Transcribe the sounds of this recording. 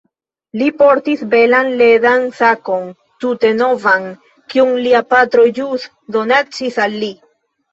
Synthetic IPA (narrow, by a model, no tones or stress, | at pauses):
lipoɾt̪isbelanledansakon | t̪ut̪enovaŋ | kiuŋliapat̪ɾojus | d̪onat͡ʃisalːi